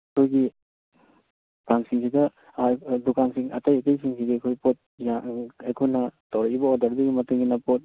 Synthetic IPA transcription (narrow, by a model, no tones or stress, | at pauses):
ɐkʰojɡi | paŋsiŋsidɐ | dukansiŋɐ̰tɐjɐtɐjsiŋsʰiɡiɐkʰojpot̚jaajkʰojnɐtawɾɐkibɐodɐɾdɐɡimɐteŋɡinɐpot̚